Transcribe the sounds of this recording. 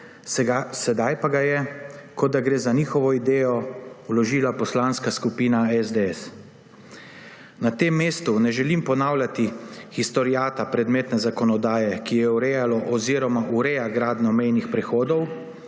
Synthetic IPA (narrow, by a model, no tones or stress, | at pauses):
ɡasɛd̪ajpaɡajɛkɔd̪d̪ːaɡɾeːzaniːxɔʋɔid̪eːjɔwlɔʒiːlapɔslanskaskupiːnaɛzd̪eɛs | nat̪emːeːst̪unɛʒɛlimpɔnaːwlʲjat̪ixist̪ɔɾjaːt̪apɾɛd̪meːt̪nɛzakɔnɔd̪aːjɛkijɛuɾɛjalɔʔɔziːɾɔmaʔuɾɛjaɡɾaːd̪nɔmɛjnixpɾɛxoːd̪ɔw